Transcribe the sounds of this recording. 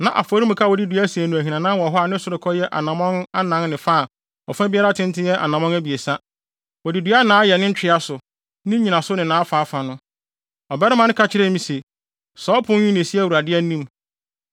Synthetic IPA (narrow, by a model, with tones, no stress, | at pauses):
nã˨ʔa̰˨fɔ˨˦ɾi˦mʊ̃˨kʰa˦wɔ˨di˦dɥæ˦si˨æ˨nʊ̃˨æ˨ɦĩ˨nã˨nã˦wɔ˨ɦɔ˦a˨nɪ̃˦sʊ˦ɾɪ˨kʰɔ˦jɛ˦ʔa̰˨nã˨mɔ̃˦na˦nã˦nnɪ̃˨fa˦˨ | ɔ˨fã˦bɪ˦a˦ɾa˦tʰɪ̃˦n˦tʰɪ˦jɛ˦ʔa̰˨nã˨mɔ̃˦næ˦bi˨e˨sa˦ | wɔ˨di˨dɥa˦nã˨˦jɛ˨nɪ̃˦n̩˦t͡ɕᶣɪ˦a˦sʊ˨ | nɪ̃˦ɲĩ˨nã˨sʊ˦nɪ̃˨nãː˨˦a˦faː˨˦fa˨nʊ̃˦ | ɔ˨bɛ˦ɾɪ˦mã˦nɪ̃˦kʰa˨t͡ɕʰɪ˦ɾɛ˦mĩ˨se˨ | sɔː˨˦pʰʊ̃˦ɲĩ˦nɪ̃˨si˦ɛ˦˨wu˨ɾa˨dɪ˦ɛ˦nĩ˦m